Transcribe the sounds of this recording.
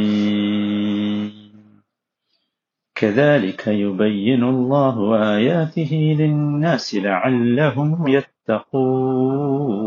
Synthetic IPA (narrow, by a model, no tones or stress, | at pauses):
kʰaðaːlɪkʰajʊbajːɪnʊlˤːɑːɦʊʔaːjaːt̪ɪɦɪlɪnːaːsɪlaʕalːaɦʊmjat̪ːɑquː